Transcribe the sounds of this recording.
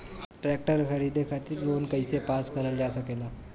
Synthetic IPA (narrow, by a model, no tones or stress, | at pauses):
ʈɾɛk̚ʈəɾxəɾid̪ekʰat̪iːɾlonkəjsepaskəɾəld͡ʑasəkela